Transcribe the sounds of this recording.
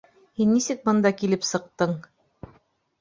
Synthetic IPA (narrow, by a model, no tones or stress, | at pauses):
hinːisɘk̚bɤ̆nd̪ɑkilɘpsɤ̆q̚t̪ɤɴ